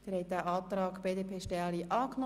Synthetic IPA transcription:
d̥ɛɾhɛt̚dæːʔɑːt̪rɑːkbeːdeːpʰeːʃtɛliʔɑːknɔ

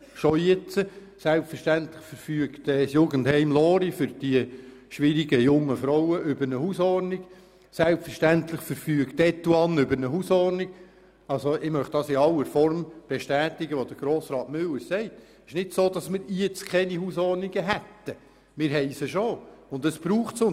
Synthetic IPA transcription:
ʃɔit͡sə | sælpfəɾʃtænt̪lɪχfəɾfyəktɛsjʊːɡənthɛɪmlɔːɾifʏɾd̥iəʃʋɪɾiɡəjʊŋːəfɾɔwəʔʏbəɾnəhusɔrnɪɡ̥ | sælpfəɾʃtænt̪lɪχfəɾfyːəktɛt̪ːuɑnʏbəɾnəɦusɔrnɪɡ | ɑlsoɪmœχtd̥̪ɑsɪɑlːəɾfɔrmb̥ɛʃtæːt̪ɪɡəʋod̥̪əɾɡ̥ɾoːsɾɑːtmʏləsɛɪt̪ | ɪʃnɪtsoːd̪ɑsmɪɾiət͡skʰɛnihuːsɔrnɪɡəɦæt̪ːə | mɪːɾɦɛɪsəʃoʊnd̪əsb̥ɾuːχtsʊn

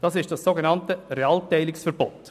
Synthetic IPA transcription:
d̥ɑsɪʃtd̥ɑsːoɡenɑntəɾeɑltɛɪlɪksfəɾbot

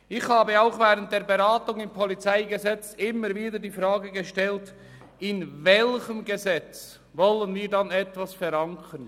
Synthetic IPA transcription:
ʔɪxhaːbəaʊxvɛːʁənt̚d̥eːɐɾbəʁaːtʊŋɪmpʰɔlit͡saɪɡəzɛt͡sɪmːəɾviːdədiːfʁaːɡəɡəʃtɛlt | ɪnvɛlçəmɡəzɛt͡s | vɔlənviːdanɛtvasfɛɾaŋkʰən

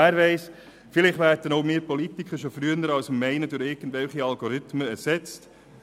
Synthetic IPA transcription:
æːɾʋɛɪs | fɪlɪχʋæːɾdənoʊmɪːɾpɔlitikχəɾʃofɾyənəɾɑlsəmːɛɪnədʊɾɪɾɡən̩dvʋɛlχiɑlɡoɾʏt̪məɛsɛt͡st

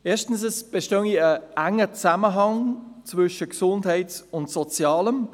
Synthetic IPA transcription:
ɛːʃtn̩səsb̥eʃtøŋiəæŋːət͡saməɦɑŋt͡svʏʃəksʊndhɛɪtsʊntsɔt͡sjɑːləm

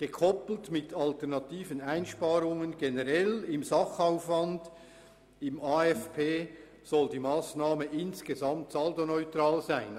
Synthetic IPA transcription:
ɡ̥əkʰɔpl̩tmɪtʰɑltɛʁnɑtʰiːvənaɪnʃpaːɾʊŋənɡenəʁɛlɪmzɑχaʊfvɑnd | ɪmaːɛfpʰeː | z̥ɔldiːmaːsnaːməʔɪnsɡ̥ezɑmtsaldonɔʏtraːlzæɪn

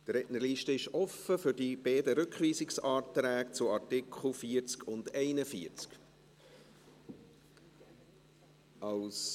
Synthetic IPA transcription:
d̥ɾɛʔnəɾliːʃtəɪʃɔfəfʏɾdib̥ɛːdəɾʏkχʋiːsɪksɑːtɾæːk̚t͡sʊɑɾtɪkʰχl̩ˠfiəɾt͡skʰʊndɛɪnəfiəɾt͡sk | ɑls

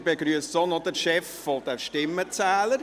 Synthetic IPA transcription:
beɡɾyəssonɔd̥əɾʃɛffɔd̥ɛʃtɪmːət͡sæːləɾ

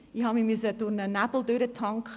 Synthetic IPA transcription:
ihɑːmimysəd̥ʊɾnənabl̩ˠdøɾət̪ʰɑŋkχ

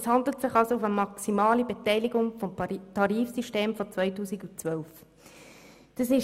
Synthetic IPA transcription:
shɑndlətsɪχɑlsoufəmɑksimɑːlibetɛɪlɪɡʊŋfɔmtʰɑɾiːfsiʃteːmfɔt͡sʋœɪtuːsikut͡sʋœlf | d̥ɑsɪʃ

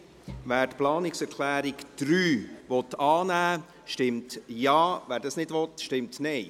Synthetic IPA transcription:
væːɾtplɑːnɪksɛɾkʰlæːɾɪkd̥ɾyːʋɔtɑːnæː | ʃtɪmtjɑːvæːɾdɑsnɪdʋɔt̪ʃtɪmtnɛɪ

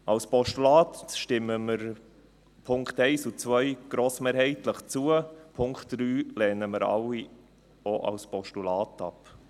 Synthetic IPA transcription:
ʔɑlspɔʃtulɑːtʃtɪmːəməɾ | pʰʊŋkχtɛɪsut͡sʋœjɡ̥ɾoːsmeːɾhɛɪtləχt͡suəpʰʊŋktd̥ɾyːlɛːnəməɾɑ̰lːi | oʔɑ̰lspɔʃtulɑːtɑp

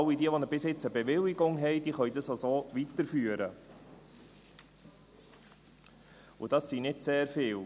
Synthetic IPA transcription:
lidiəʋonəɾbɪsjɪt͡səbeʋɪlɪɡʊŋɦɛɪd̥iːχœʏdɑsosoːʋitəɾfyːəɾə | ʊd̥ɑsːinɪtseːɾfɪːl

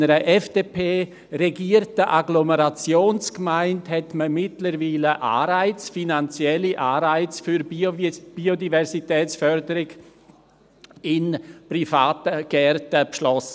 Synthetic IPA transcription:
əɾəʔɛfd̥eːpʰeː | ɾeɡiːəɾtəʔaɡloməɾat͡sjoːnskmaɪnthɛtməmɪtləɾviːləʔa̰ːɾaɪt͡sfinant͡sjɛliʔaːɾaɪt͡sfyɾb̥iːodivɛɾsitɛːt͡sfœɾdəɾɪɡ | ɪnprifaːtəɡ̥ɛrtəpʃlɔsə

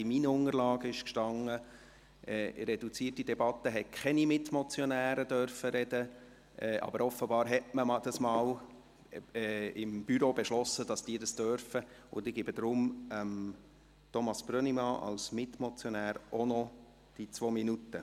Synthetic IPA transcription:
ɪminəʊŋərlɑːɡəɪʃkʃtɑŋːə | ʔɛːɾɛd̥ut͡siətːidɛbɑt̪ːəɦɛkʰχɛnimɪt̪mɔt͡sjɔnæːɾəd̥̪œɾfəɾɛd̥ə | ʔɛːʔɑ̰bəɾɔfəbɑːɾɦɛtməmɑd̥ɑsmɑːl | ɛːɪmb̥yɾobɛʃlɔsːəd̥ɑsd̥iːdɑsd̥œɾfəʊndɪɡɪbəd̥̪ɾʊməm | t̪ɔmɑsb̥ɾœnimɑʔɑ̰lsmɪt̪mɔt͡sjɔnæːɾonɔ | d̥it͡sʋominutːə

